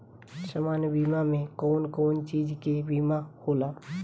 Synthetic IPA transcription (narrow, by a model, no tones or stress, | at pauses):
samaːnjəbiːmamẽkɔːnkɔːnt͡ʃiːd͡ʒkebiːmahoːlaː